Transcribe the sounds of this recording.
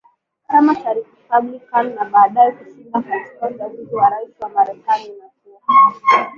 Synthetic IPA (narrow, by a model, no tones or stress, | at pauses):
kamaʃaɾikipablikanːaɓaːɗajɛkuʃibakaɛskɔzamuid͡ʒiwaɾaisiwamaɾɛkaninatia